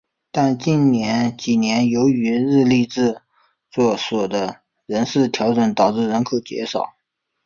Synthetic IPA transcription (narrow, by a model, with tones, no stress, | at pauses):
t̪a˥˧nt͡ɕi˥˩nnjɛ˧˥nt͡ɕi˨˩njɛ˧˥njo˧˥ʊy˧˥ɻɻ̩˥˧li˥˧ʈ͡ʂɻ̩˥˧ | t͡swɔ˥˩swɔ˨˩d̪ə˦ | ɻə˧˥nʂɻ̩˥˩t̪ʰjɑ˧˥ʊʈ͡ʂə˨˩˥nt̪ɑ˨˩ʊʈ͡ʂɻ̩˥˩ɻə˧˥nkʰɤ˨˩ʊt͡ɕjɛ̰˧˥ʂɑ˨˩˦ʊ